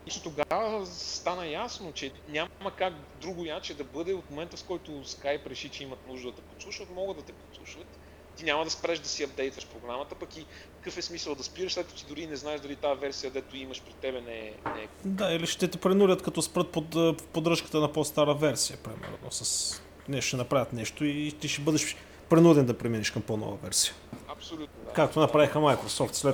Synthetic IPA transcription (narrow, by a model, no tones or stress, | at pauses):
lit͡ʃnot̪oɡavəst̪anəjasnot͡ʃɛnʲamməkak | d̪ɾuɡʊjat͡ʃɛd̪ɐbɤd̪ɛot̪momɛnt̪əfkɔjt̪ʊskajpɾɛʃit͡ʃɛimɐt̪nuʒd̪əd̪ɐt̪ɛpot̪slˠuʃvət̪mɔɡəd̪ɐt̪ɛpot̪slˠuʃvət̪ː | inʲamɐd̪ɐspɾɛʃd̪ɐsiɐb̚d̪ɛjt̪vəʃpɾoɡɾamət̪əpɐki | kə̥kɤfɛsmisəlˠd̪ɐspiɾəʃsɛt̪̚kət̪ʊt̪id̪ʊɾiːnɛznaɛʒd̪ɐlit̪aɛvɛɾsijəd̪ɛt̪ʊimɐʃpɾit̪ɛbɛnɛɛ̰nɛɛd̪ailiʃt̪ɛt̪ɛpɾɛnulʲət̪kɐt̪ɔspɾət̪̚popod̪ɾɤʃkə̥t̪ənɐpost̪aɾəvɛɾsiəpɾḭmɛ̰ɾno̰sɐs | nɛʃɛnɐpɾavʲət̪nɛʃt̪oit̪iʃɛbɤd̪ɛʃ | pɾɛnud̪ɛnd̪ɐpɾɛminiʃkɐmponɔ̰vɐ̰vɛ̰ɾsijə | ɐpsolʲut̪nokak̚t̪onɐpɾavixəmajkɾosɔft̪slɛ